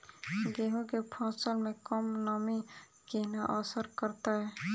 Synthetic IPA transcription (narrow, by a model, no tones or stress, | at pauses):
ɡeːɦõkepʰɔːsəlmẽkəmnami | kenaʔɔsəɾkəɾt̪aɦɛː